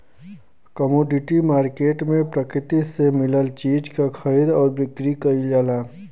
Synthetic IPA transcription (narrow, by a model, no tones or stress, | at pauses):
kəmoːɖɪʈimaːɾkeːʈmẽpɾɐkɾɪt̪isemɪləlt͡ʃiːd͡ʒkaxʰɐɾiːd̪ɔːɾbɪkɾikɐid͡ʒaːlaː